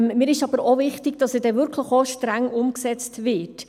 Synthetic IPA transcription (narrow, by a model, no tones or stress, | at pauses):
mmɪːɾɪʃɑbəɾovɪχtɪɡd̥ɑsəd̥ɛvʏɾkʰləχoʃtɾæŋʊmksɛt͡stvɪt